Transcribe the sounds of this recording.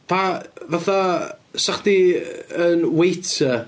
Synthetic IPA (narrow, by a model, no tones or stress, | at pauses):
vavaθasaχdiənwejtʰə